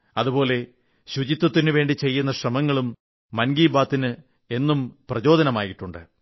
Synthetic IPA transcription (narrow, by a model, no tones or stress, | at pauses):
ɐðubo̞ːle̞ | ɕud͡ʑit̪ːwɐt̪ːinɨʋe̞ːɳɖit͡ɕe̞jːunːɐɕrɐmɐŋːɐɭumː | ɐnɡiːbaːt̪ːinɨ | e̞nːumprɐt͡ɕo̞ːd̪ɐnɐmaːjiʈːuɳɖɨ̰